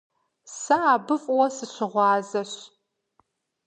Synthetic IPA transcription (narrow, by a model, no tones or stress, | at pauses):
sɐaːbɨfʼwɐsɨɕɪʁʷɑːzɐɕ